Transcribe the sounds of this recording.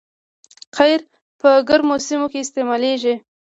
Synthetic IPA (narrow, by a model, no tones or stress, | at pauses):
qajɾ | pəɡəɾmosimokeɪst̪emɑleʒi